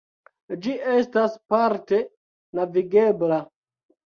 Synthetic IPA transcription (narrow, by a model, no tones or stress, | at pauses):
d͡ʒiʔe̞staspaɾte̞ | naviɡe̞bla